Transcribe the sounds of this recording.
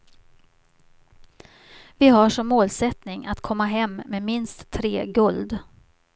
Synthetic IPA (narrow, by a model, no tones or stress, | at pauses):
vɪɦaʂɔmːoːlsɛt̪nɪŋat̪kʰɔmːaɦɛmːmemɪnst̪ʰːɾeːɡɵld̪